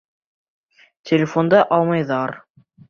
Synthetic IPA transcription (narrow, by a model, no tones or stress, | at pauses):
tʲelʲɪfond̪ɑʔɑlˠmɑjðɑɾ